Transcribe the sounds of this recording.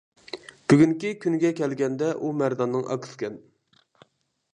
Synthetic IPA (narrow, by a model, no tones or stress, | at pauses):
b̥yɡʲyŋkʲikʲʰynɡʲɛkʲɛlɡʲɛnd̪ɛʔumæɾd̪ɑnːɨŋʔɑ̰kʰɨ̥skʲɛn